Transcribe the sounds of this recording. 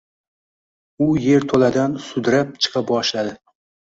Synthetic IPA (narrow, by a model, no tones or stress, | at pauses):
ʊje̞ɾt̪ʰolad̪ansʊd̪ɾap̚t͡ʃʰɨ̥qʰɑp̚bɒʃlad̪ɪ